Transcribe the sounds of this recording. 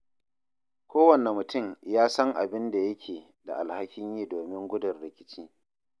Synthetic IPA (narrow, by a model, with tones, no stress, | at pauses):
kʷoː˦wɐ˨nɛ˨mːʊ˨tʊ˦˨mjaː˦sɐ˦ŋʔa̰˨bɪ˦nda˨jɐ˦kʲʰeː˨ | da̰˨ʔa˨lha˦kʲɪ˦ɲjiː˦doː˨mɪ˦ŋɡʷʊ˦dʊ˨rɽɪ˨kʲɪ˦t͡ʃiː˦